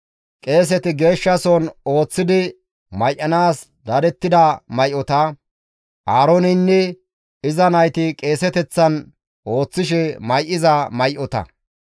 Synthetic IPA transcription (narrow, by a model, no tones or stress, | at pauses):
kʼe̞ːs̬ɛt̪ɪɡe̞ːʃːɐsɔno̞ːt͡sːɪd̪ɪ | mɐjʔɐnaːs | d̪ɐd̪ɛt̪ːɪd̪ɐmɐjʔɔt̪ɐ | ʔaːɾonɪnːɛ | ɪzɐnɐjt̪ɪkʼe̞ːsɛt̪ɛt͡sːɐn | ʔo̞ːt͡sːɪʃ̬ɛmɐjʔɪzɐmɐjʔɔt̪ɐ̰